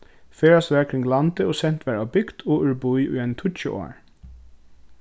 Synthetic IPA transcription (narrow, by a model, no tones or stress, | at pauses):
feːɹɑsʋæɹkʰɾɪŋlɑnt̪əoːsɛnt̪ʰʋæɹɑːbʏɡd̪̥oːʔʉɹbʊʏʔʉ̰ːɛnt̪ʰʊt͡ʃə̰ʔo̰ːɹ